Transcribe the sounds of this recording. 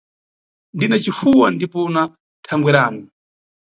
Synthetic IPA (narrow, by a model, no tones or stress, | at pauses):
ndinat͡ʃifuwandipɔna | tʰaŋɡwɛɾaːnɔ